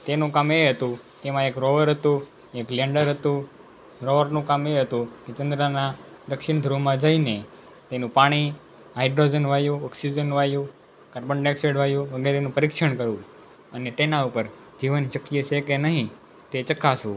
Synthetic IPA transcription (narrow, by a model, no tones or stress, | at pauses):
t̪enũkameɦət̪ũ | k̪emãekɾoʋəɾɦət̪ũ | eklɛɳɖəɾɦət̪ũ | ɾoʋəɾnũkameɦət̪ũkit͡ʃənd̪ɾana | d̪əkʃɪɳd̪ʱɾomãd͡ʒaine | t̪enũpaɽ̃i | aiɖɾod͡ʒənʋajũɔksid͡ʒənʋajũ | kəɾbəɳɖekseɖʋajũʋəɡeɾenũpəɾikʃəɳkəɾũ | ənet̪enaupəɾ | d͡ʒiʋənʃəkːijəsekenəɦĩ | t̪et͡ʃəkasṵ̃